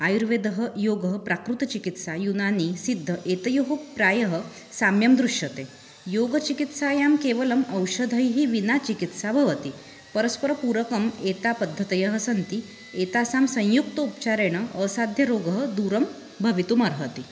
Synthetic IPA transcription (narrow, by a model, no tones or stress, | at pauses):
ajuɾʋed̪əɦəjoɡəɦpɾakɾut̪t͡ɕikit̪sajunanisid̪ʱːəʔet̪əjuɦupɾajəɦə | samjəmd̪ɾuʂjət̪e | joɡət͡ɕikit̪sajamkeʋələməwɕəd̪ʱəjɦiːʋinat͡ɕikit̪sabʱəʋət̪i | pəɾəspəɾpuɾəkəmet̪apəd̪ʱːət̪jəɦəsənt̪i | et̪asamsə̃j̃juk̚t̪əup̚t͡ɕaɾeɽ̃əəsad̪ʱjəɾoɡəɦəd̪uɾəm | bʱəʋit̪uməɾɦət̪i